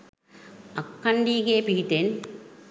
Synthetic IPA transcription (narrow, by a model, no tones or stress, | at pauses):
ɐkːɐɳɖiːɣeːpiiʈ̪ːen